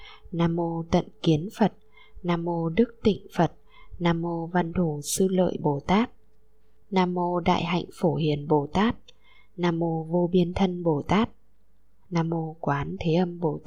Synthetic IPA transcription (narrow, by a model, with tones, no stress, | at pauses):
naː˧mo˧t̪ə̰˧˨nki˨˦ənfə˨˩t̚ | naː˧mo˧ɗɨ˦˥k̚t̪ḭ̈˧˨ŋ̟fə˨˩t̚ | naː˧mo˧va˧nt̪ʰu˧˩sɨ˧lə̰ː˧˨jɓo˧˩t̪aː˦˥t̚ | naː˧mo˧ɗa̰ː˧˨jɦa̰˧˨jŋ̟fo˧˩hi˧˩ənɓo˧˩t̪aː˦˥t̚ | naː˧mo˧vo˧ɓi˧ənt̪ʰə˧nɓo˧˩t̪aː˦˥t̚ | naː˧mo˧kwaː˨˦nt̪ʰe˨˦ʔə˧mɓo˧˩t̪